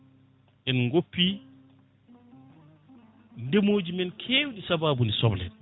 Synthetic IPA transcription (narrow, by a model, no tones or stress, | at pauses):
ʔɛnŋɡopːi | ndemoːd͡ʒimɛnkʰeːwɗisabaːbunisɔblɛ̰